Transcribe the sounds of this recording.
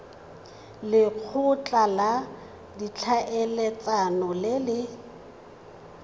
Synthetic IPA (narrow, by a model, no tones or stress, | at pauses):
lɪk͡xʰʊt͡ɬʼala | dit͡ɬʰaʔɛlɛt͡sʼanɔlɪlɪ